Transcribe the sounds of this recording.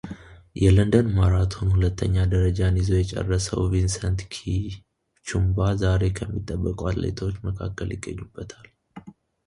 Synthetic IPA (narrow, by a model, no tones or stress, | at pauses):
jɛlənd̪ənmaɾat̪ʰo̞nhulət̪ʰːəɲːad̪əɾəd͡ʒanizo̞jɛt͡ʃʼɛ̰rːəsə̰wvinsənt̪kʰi | t͡ʃumbazaɾe̞kʰəmːit̪ʼːəbːəkʼwat̪lḛt̪ʰot͡ʃːməkʰa̰kːəljɪɡːəɲːubːət̪ʰal